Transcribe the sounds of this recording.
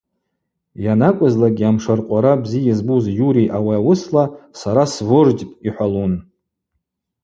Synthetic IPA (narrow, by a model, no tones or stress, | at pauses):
janakʷʼʊzlaɡʲiamʂarqʷʼaɾabzijizbuzjuɾijʔawaawʊslasaɾasvʊrd͡ʒpʼiħʷalun